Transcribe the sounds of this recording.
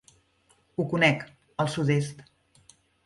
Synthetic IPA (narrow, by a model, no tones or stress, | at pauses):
ukunɛk | əlˠsut̪est̪